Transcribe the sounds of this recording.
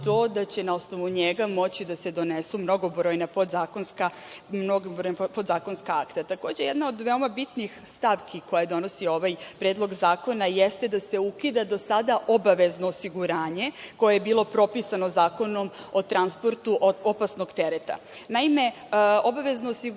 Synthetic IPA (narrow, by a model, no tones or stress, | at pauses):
t̪o̞ːd̪at͡ɕe̞nao̞sno̞ʋuɲeɡamo̞t͡ɕid̪ase̞d̪o̞nesumno̞ɡobɾoːjnapod̪zaːkonska | mnoɡbɾojnapod̪zaːko̞nskaakt̪at̪ako̞ːd͡ʑejed̪nao̞d̪ʋe̞omabit̪nixst̪aʋkʰiko̞jed̪o̞no̞sio̞ʋajpɾeːd̪lˠo̞ɡzaːko̞najest̪e̞d̪ase̞ukid̪ad̪o̞sad̪aʔo̞baʋe̞znoːsiɡuɾaːɲe̞ko̞jejebilˠo̞pɾo̞pisanozaːko̞no̞mo̞t̪ɾanspo̞ɾt̪uʔopasno̞ɡt̪eɾet̪a̰ | naime̞ | o̞baʋe̞znoːsi